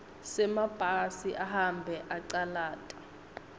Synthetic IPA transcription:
sɛmab̥ʱasiʔaɦambʱɛʔaǀalaːtʼɛ̥

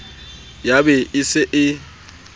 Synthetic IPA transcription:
jabɛɪsɪʔɪ

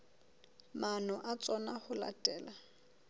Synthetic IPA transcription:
manɔʔat͡sʼɔnaχʊla̰tʼɛːla

